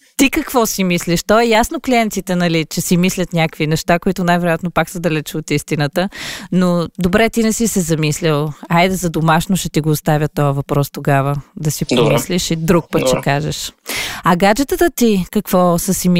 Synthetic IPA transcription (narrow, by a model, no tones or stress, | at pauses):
t̪ikəkvɔsimisliʃt̪ɔɛjasnokliɛnt̪sit̪ɛnɐlit͡ʃɛsimislʲət̪nʲakvinɛʃt̪akoit̪ʊnajvɛɾoʊjat̪nopaksəd̪ɐlɛt͡ʃot̪ist̪inət̪ənod̪obɾɛt̪inɛsisɛzɐmislʲilˠajd̪ɛzɐd̪omaʃnoʃɛt̪iɡoːst̪avʲət̪ːɔjɐvɐpɾɔst̪oɡavəd̪ɐsipomisliʃid̪ɾuk̚pət̪t͡ʃɛkaʒɛ̰ʃɐɡad͡ʒɛt̪ət̪ət̪ikɐkv̥ɔsəsim